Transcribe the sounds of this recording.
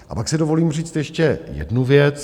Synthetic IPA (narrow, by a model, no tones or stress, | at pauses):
ʔa̰paksɪdo̞vo̞liːmriːt͡st̪jɛʃcɛjɛ̰dnuvjɛt͡s